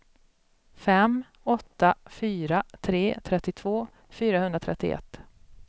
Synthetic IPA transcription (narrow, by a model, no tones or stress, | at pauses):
fɛm | ɔt̪ːafyːɾat̪ʰɾeːt̪ʰɾɛt̪ːɪt̪ʰvoː | fyːɾahɵnd̪ɾat̪ʰɾɛt̪ːɪ̰ʔɛ̰t̪ː